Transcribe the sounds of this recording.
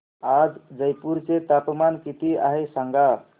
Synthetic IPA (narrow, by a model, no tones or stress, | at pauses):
ad͡zd͡ʒəjpuɾt͡ʃet̪apmankit̪ia̰ɦesəŋɡa